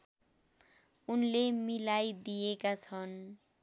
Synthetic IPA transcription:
unlemilajd̪ijekat͡sʰʌn

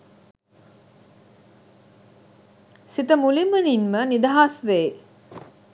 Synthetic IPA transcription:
sit̪əmuliməninmənid̪aɦasʋe

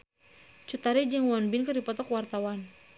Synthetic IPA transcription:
t͡ʃut̪aɾid͡ʒəŋwɔnbɪnkɨrdipɔt̪ɔkwart̪awan

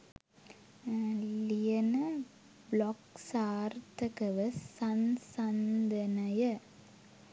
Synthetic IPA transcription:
lijɐnɐ | blɔksaːɾt̪ɐkɐʋɐsɐnsɐnd̪ɐnɐjɐ

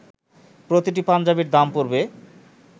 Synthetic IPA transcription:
pɾot̪iʈ̬ipand͡ʑabiɾd̪ampoɾbe

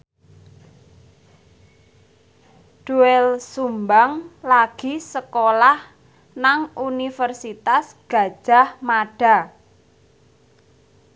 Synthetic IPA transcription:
ɖ̥uɛlsumbaŋlaɡ̥i̤səkolah | naŋunifərsit̪asɡ̥a̤d̥ʒ̥a̤hmaɖ̥a̤

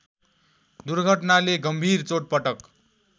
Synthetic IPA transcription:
d̪uɾɡʱʌʈnaleɡʌmbʱirt͡soʈ̚pʌʈʌk

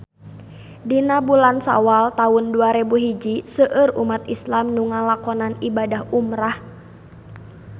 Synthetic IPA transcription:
dinabulansa̰walt̪aʊnduaɾebuɦid͡ʒisəʔərumat̪̚islamnuŋalakɔnanibadahumɾah

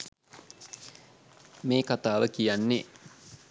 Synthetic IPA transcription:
meːkat̪aːʋəkijanːe

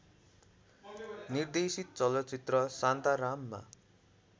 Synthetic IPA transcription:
nird̪esit̪̚t͡sʌlʌtt͡sit̪rʌsant̪aɾamːa̰

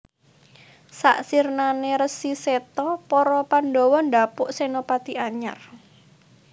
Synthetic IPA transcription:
sa̰ʔsirnaneɾəsiset̪ɔpɔɾɔpandowɔnd̪apʊʔsenopat̪iʔaɲa̰r

